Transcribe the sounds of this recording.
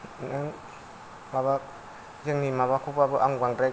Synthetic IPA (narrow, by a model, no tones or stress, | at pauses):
naŋ | maba | zeŋnimaβakʰupabɯʔaŋɡaŋdɾa